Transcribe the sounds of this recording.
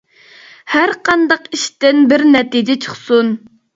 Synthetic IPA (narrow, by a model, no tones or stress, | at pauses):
hæɾqʰɑnd̪ɑqiʃt̪ɪnbɪɾnɛt̪id͡ʒɛt͡ʃʰə̥χsun